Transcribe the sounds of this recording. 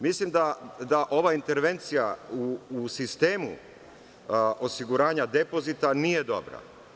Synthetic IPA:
mislimd̪ad̪aʔo̞ʋaint̪e̞ɾʋe̞nt̪sijauːsist̪e̞ːmṵ | ʔo̞siɡuɾaːɲad̪e̞po̞zit̪anije̞d̪o̞̰bɾa̰

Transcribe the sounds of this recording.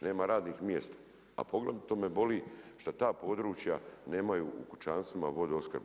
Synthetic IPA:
ne̞ːmaɾaːd̪nixmjḛst̪ḁ | a̰po̞ɡlet̪omebo̞liːʃt̪at̪aːpo̞ːd̪ɾuːt͡ʃjane̞ːmajuṵkut͡ʃaːnst̪ʋimaʋo̞d̪eo̞skɾb

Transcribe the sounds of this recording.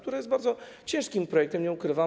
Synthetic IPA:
k̚t̪uɾajɛsbaɾd̪zɔt͡ɕɛ̃ʂkʲimpɾɔjɛk̚t̪ɛmɲɛukɾɘva

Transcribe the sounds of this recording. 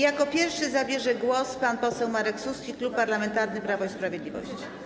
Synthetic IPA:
jakɔpʲjɛɾfʂɘzabʲjɛʐɛɡwɔspanpɔsɛwmaɾɛksuskʲiklupːaɾlamɛnt̪aɾnɘpɾavɔispɾavʲjɛd̪lʲivɔ̰ɕt͡ɕi̥

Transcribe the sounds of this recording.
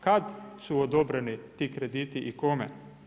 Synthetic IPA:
kat̪suɔd̪oːbɾɛnit̪iːkɾed̪iːt̪iʔikoːmɛ

